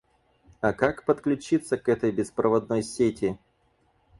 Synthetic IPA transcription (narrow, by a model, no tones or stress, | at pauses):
akakpət̪klʲʉt͡ɕit̪səkɛt̪əjbʲɪspɾəvɐd̪̚no̞jsʲetʲɪ